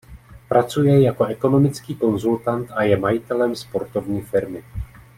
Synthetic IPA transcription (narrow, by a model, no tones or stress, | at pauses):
pɾat͡sujɛjako̞ʔɛko̞no̞mɪt͡skiːko̞nzult̪ant̪ʔajɛmajɪt̪ɛlɛmspo̞ɾt̪o̞vɲiːfɪɾmɪ